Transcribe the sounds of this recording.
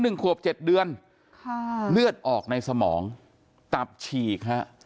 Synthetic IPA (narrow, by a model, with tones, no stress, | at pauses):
nɯ˨˩ŋkʰu˨˩əp̚t͡ɕe˨˩t̪̚dɯ˧ən | kʰlɯ˥˩ət̪̚ʔɔː˨˩k̚na˧jsa˧mɔː˩˦ŋ | t̪a˨˩p̚t͡ɕʰiː˨˩kʰa˦˥ʔ